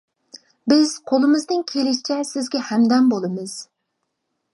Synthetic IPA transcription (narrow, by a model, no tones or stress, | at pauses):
bɪz̥qʰolˠɨmɨzd̪ɪŋkʲʰelɪʃi̥t͡ʃʰɛsɪzɡʲɛhæmd̪ɛmbolˠɨmɨz̥